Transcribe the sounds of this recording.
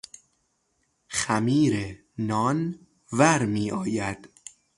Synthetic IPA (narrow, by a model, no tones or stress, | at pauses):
xæmiːɾe | nɒːn | væɾmiːʔɒːjæd̪̥